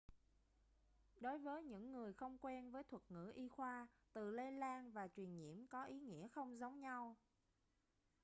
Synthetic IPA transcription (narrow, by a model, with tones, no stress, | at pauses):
ɗo˨˦jvəː˨˦jɲɨ̰˧˥ŋːɨ˨˩əjxə˧wŋ͡mkwɛ˧nvəː˨˦jt̪ʰwə˨˩t̚ŋɨ̰˧˥ʔi˧xwaː˧t̪ɨ˨˩le˧jlaː˧nvaː˨˩t͡ɕwi˨˩ənɲḭ˧˩˨əmkɔ˨˦ʔi˨˦ŋḭ˧˥əxə˧wŋ͡mzə˨˦wŋ͡mɲa˧w